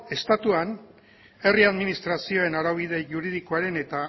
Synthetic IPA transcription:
e̞st̪at̪uan | e̞riaðminist̪ɾasio̞enaɾaβiðe̞ʝuɾiðikoaɾe̞ne̞t̪a

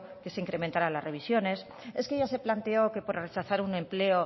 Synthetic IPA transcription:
ke̞se̞iŋkɾe̞ment̪aɾalazre̞β̞isjo̞ne̞s | e̞skeʝase̞plant̪e̞o̞ke̞po̞ɾre̞t͡ʃaθaɾunẽ̞mple̞o

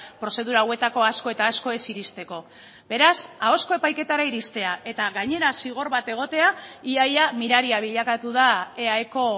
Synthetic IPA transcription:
pɾo̞se̞ð̞uɾawe̞t̪ako̞asko̞e̞t̪aːsko̞e̞siɾist̪e̞ko̞ | be̞ɾasao̞sko̞epajke̞t̪aɾaiɾist̪e̞aʔe̞t̪aɣaɲe̞ɾasiɣ̞o̞ɾβat̪e̞ɣ̞o̞t̪e̞aiajamiɾaɾiaβ̞iʎakat̪uðaeaeko̞

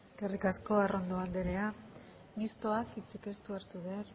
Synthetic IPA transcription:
eske̞rikasko̞aro̞nd̪oand̪eɾe̞a | ɡist̪o̞akit͡sike̞st̪uaɾt̪uβer

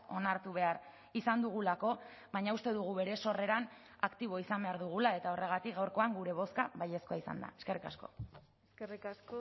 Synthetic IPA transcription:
o̞naɾt̪uβ̞e̞ar | isand̪uɣ̞ulako̞ | βaɲaust̪e̞ðuɣ̞uβe̞ɾe̞so̞re̞ɾan | akt̪iβ̞o̞isambe̞aɾðuɣ̞ulae̞t̪ao̞re̞ɣ̞at̪ik̚ɡawɾko̞aŋɡuɾe̞β̞o̞skaβaje̞sko̞aisa̰nd̪a̰e̞ske̞rika̰sko̞̰ | eskerikasko

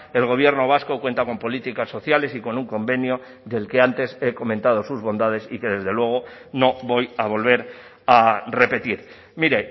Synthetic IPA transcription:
e̞lɣ̞o̞β̞je̞ɾno̞β̞asko̞kwe̞nt̪ako̞mpo̞lit̪ikasːo̞θjale̞siko̞nuŋko̞mbe̞njo | ðe̞lke̞ant̪e̞se̞ko̞mẽ̞nt̪að̞o̞suzβo̞nd̪að̞e̞sike̞ðe̞zðe̞lwe̞ɣ̞o̞no̞βo̞jaβ̞o̞lβ̞e̞ɾ | are̞pe̞t̪iɾ | miɾe

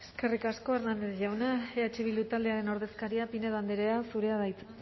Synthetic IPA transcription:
e̞ske̞rikasko̞eɾnand̪eðʝawnaeat͡ʃiβild̪ut̪ald̪eaɾe̞no̞ɾðe̞skaɾiapineðand̪eɾe̞asuɾe̞aðajt͡se

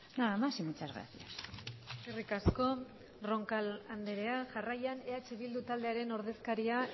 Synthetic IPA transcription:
naamasimit͡sazɣɾa̰θiaserikasko̞ | ro̞ŋkaland̪eɾe̞aʝarajane̞at͡ʃeβild̪ut̪ald̪e̞aɾe̞no̞ɾð̞e̞skaɾia

